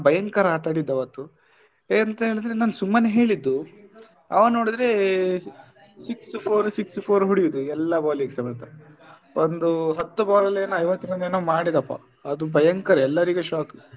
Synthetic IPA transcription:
bɐjɐŋkɐɾaːʈaːɽid̪ːɐʋɐt̪ːu | eɐnt̪ɐɦeɭid̪ɾenaːnsumːɐneɦe̞ːɭid̪ːu | ɐ̰ʋɐno̞ːɽid̪ɾe | sikspʰoːɾsikspʰoːɾɦuɽijud̪uɛlːɐbaːlikesɐmɐt̪ɐ | ond̪uɦɐt̪ːubaːlɐlːeːnuɐjʋɐt̪ːimɐneːnoːmaːɽid̪ɐpːɐ̰ | ɐd̪ubʱɐjɐŋkɐɾɛlːɐɾiɡeʃaːk

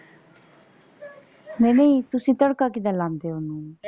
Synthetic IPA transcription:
mɛ̃ːneiːt̪ʊsĩːt̪əɽkaːkɪd̪aːlãːnd̪eːonũː

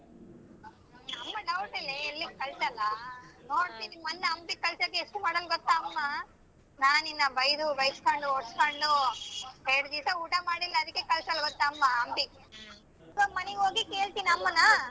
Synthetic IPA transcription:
ɐmːɐnɐwʈileːlːikɐɭsɐlːɐnoːɽt̪inimɐnːɐɐmpikɐlsɐkːeeʂʈumaːɽɐlɡɔt̪ːaːmːa | naːninːɐbɐjd̪ubɐjskoɳɖuoʈskoɳɖuɦeɾɽd̪iːsɐuːʈamaːɽilːɐːd̪ikːekɐlsɐlːɡɔt̪ːaːmːaɐmbi | somɐnɛɡɦoːɡikeːɭt̪iniɐmːɐnːɐ

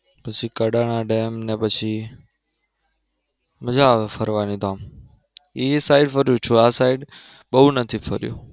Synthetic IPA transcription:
pət͡ʃʰikəɗaɽ̃aɖeːmnepət͡ʃʰi | məd͡ʒaʋefʰəɾʋanĩd̪am | isaɪɖfəɾjũt͡ʃʰuasaiɖ | ɓəɦunət̪ʰifʰə̰ɾjṵ

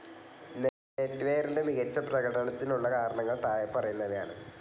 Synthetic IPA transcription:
ne | etːʋeːɾindemiɣɐt͡ɕːɐprɐɣɐɽɐnɐt̪ːinuɭːɐkaːɾɐɳɐŋːɐɭt̪aːjɐpːɐrɐjunːɐʋɐja̰ːɳɨ̰

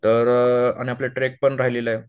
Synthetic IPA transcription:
t̪əɾa̰ɽ̃iapleʈɾek̚pəɳɾaɦileləj

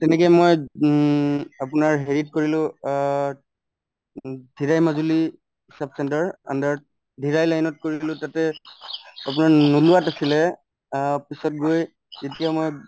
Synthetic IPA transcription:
tɛnɛk̬jamoj | ap̬ʊnaɹɦeɹit̚koɹilʊ̃ | dʱiɹajmazuli | isab̚sɛntaɹa̰ndaɹ | dʱiɹajlajnɔt̚koɹilʊ̃tatɛ | ap̬ʊnaɹnulʊatasilɛ | pisɔt̚ɡoj | zetijamoj

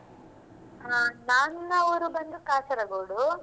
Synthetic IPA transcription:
aːnaːnɐʋɐɾubɐnd̪ukaːt͡ʃɐɾɐɡoːɽu

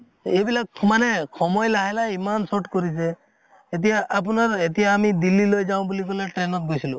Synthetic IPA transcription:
ebilakmanekʰɔmɔjlaɦɛlaimansoʈkoɾisʰe | et̪̬ijaʔːp̬unaɾet̪ijaːmid̪ilːilojd͡ʒaʊ̃bulikolaʈɾenɔt̪̚ɡojsilu

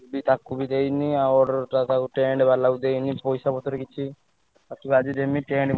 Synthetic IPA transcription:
bit̪akubid̪ejniawɾt̪at̪akuʈeɳɖbalaud̪ejnipɔjsabɔt̪ɔɾekit͡ʃʰi | at̪ibad͡ʒiɾemiʈeɳɖ

